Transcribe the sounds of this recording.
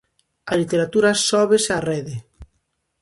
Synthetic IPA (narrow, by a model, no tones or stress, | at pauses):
alit̪eɾat̪uɾasɔβesareðe